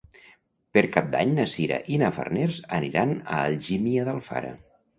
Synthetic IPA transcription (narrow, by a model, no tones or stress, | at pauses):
pəɾkap̚d̪aɲnəsiɾa̰ʔinafə̰rneɾzəniɾanəːlʒimiəðəlˠfa̰ɾə̰